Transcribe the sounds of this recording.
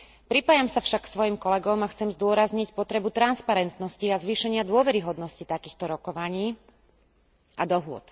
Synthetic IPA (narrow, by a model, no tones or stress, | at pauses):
pɾipaːjamsafʃakːsʋɔjimkɔlɛɡɔmaxt͡sɛmzd̪ʊɔɾazɲicpɔt̪ɾɛbut̪ɾanspaɾɛnt̪nɔsciazʋiːʃɛɲɪad̪ʊɔʋɛɾiɦɔd̪nɔscit̪akiːxt̪ɔɾɔkɔʋaɲiː | ʔad̪ɔɦʊɔ̰t̪